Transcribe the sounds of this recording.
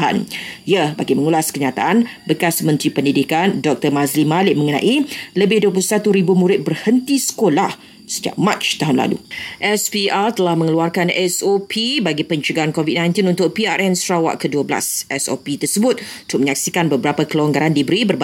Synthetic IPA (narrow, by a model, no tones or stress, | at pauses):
a̰njəbaɡimə̃ŋulaskəɲat̪aʔanbəkasmə̃nt̪ɾipəndidikandɔk̚t̪ərmazlimalɪʔmə̃ŋənã̰ʔiləbɪhduəp̬uusat̪uɾibumũɾɪt̪̚bərhənt̪isə̥kolah | səd͡ʒa̰ʔ̚mãt͡ʃt̪aɦʊnla̰lṵʔɛspiart̪əlahmə̃ŋəluarkanɛsopʰibaɡipəɲt͡ʃuɡaankovit̪̚nãjnt̪inunt̪ʊk̚piaɾʔɛnsɾawa̰ʔkəduəbla̰sʔɛso̰pit̪ərsəbʊt̪̚ | t̪ʊʔ̚məɲak̚sikanbəbəɾapakəlwaŋɡaɾandibəɾibərb